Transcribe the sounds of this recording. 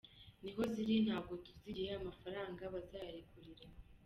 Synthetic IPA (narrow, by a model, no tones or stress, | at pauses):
niɦo̞ziɾinhaːb̚ɡo̞tuziɾijeamafaɾaːŋɡaβazaːɾekuɾiɾe